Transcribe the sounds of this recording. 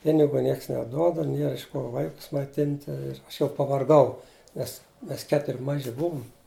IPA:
ˈpʲɪnʲɪɡʊ ˈnʲiɛks nʲɛˈduɔdɐ ˈnʲiɛr ɪʃ ˈkoː ˈʋɐɪkʊs mɐɪˈtʲɪnʲtʲɪ ˈɐʃ jɛʊ pɐʋɐrˈɡɐʊ ˈmʲɛs ˈmʲɛs ˈkʲæːtʊrʲɪ ˈmɑːʒʲɪ ˈbʊʋʊm

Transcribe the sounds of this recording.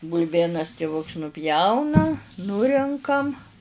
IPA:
bʊlʲˈbʲeːnɐs tʲɪˈʋʊks nʊˈpʲjɛʊnɐ ˈnʊrʲɛŋkɐm

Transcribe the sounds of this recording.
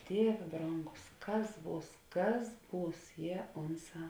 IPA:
ˈdʲiɛʋʲeː ˈbroːŋɡʊs ˈkɐs ˈbuːs ˈkɐs ˈbuːs jiɛ ˈʊnˌsɑː

